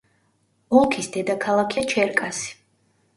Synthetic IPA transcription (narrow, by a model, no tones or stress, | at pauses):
ɔlˠkʰisd̪ɛd̪akʰalˠakʰiat͡ʃʰɛɾkʼasi̥